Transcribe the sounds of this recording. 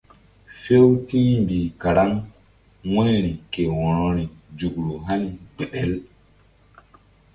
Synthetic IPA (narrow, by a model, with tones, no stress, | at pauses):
fe˦wtĩ˦mbi˨ka˨ɾa˦ŋ | ŋẽ˦ɾi˨ke˨wɔ̃˨ɾɔ˨ɾi˨d͡ʒu˨ɡɾu˨ɦa˦ni˦ɡ͡bɛ˨ɗɛ˦˨l